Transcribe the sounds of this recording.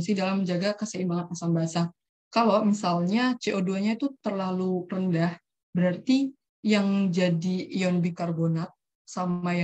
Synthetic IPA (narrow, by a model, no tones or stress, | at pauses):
nsidalamːəɲd͡ʒaɡakəsəimbaŋat̪̚masaŋbaɦasa | kalomisalɲat͡ʃeʔoduaɲait̪ut̪ərlalurəndah | bəɾart̪i | jaŋd͡ʒadijɔnbikarbonat̪̚ | saaj